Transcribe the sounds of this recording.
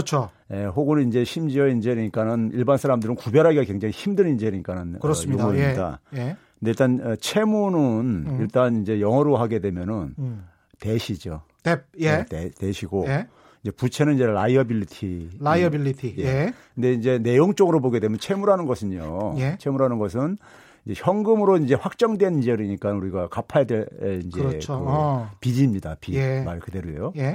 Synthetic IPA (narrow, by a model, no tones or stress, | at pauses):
t͡ɕʰo | je̞ɸoɡɯnnind͡ʑe̞ɕʰimd͡ʑiʌind͡ʑeɾiɲik͈anɯniɭbansʰaɾamdɯɾɯnkubjʌɾɦaɡiɡakwe̞ŋd͡ʑaŋiçimdɯnind͡ʑeɾiɲik͈anɯnɯɾjodɡuimːida̰kɯnde̞iɭt͈anʌt͡ɕʰe̞munɯniɭt͈anind͡ʑe̞jʌŋɦʌɾoɦaɡe̞dwe̞mjʌnɯn | te̞ɕʰid͡ʑo | tejeteteɕʰiɡo | ind͡ʑe̞put͡ɕʰe̞nɯniɲd͡ʑe̞laiʌbilitʰilaiʌbilːitʰijekɯnde̞ind͡ʑe̞ne̞joŋt͡ɕ͈ʌɡɯɾoboɡedwe̞mjʌnt͡ɕʰe̞muɾɦanɯnɡʌsʰɯɲo̰jet͡ɕʰe̞muɾɦanɯnɡʌs̬ʰɯn | ind͡ʑe̞çjʌŋɡɯmɯɾoind͡ʑe̞ɸwak̚t͡ɕ͈ʌŋdwe̞nid͡ʑeɾiɲik͈anuɾiɡakapʰajadweind͡ʑekɯpid͡ʑimɲidapimaɭkɯde̞ɾoḛjoje